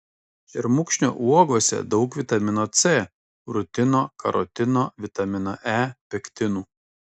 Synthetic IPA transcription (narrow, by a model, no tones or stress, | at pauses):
ʒʲɛɾmʊkʃʲnʲo̰ʔuɔɡoɔsʲɛ̰d̪ɒʊkʋʲɪt̪ɐmʲɪnoːt̪se | ɾʊt̪ʲɪnoːkɐɾɔt̪ʲɪnoːʋʲɪt̪ɐmʲɪnoʔæːpʲɛkʲt̪ʲɪnuː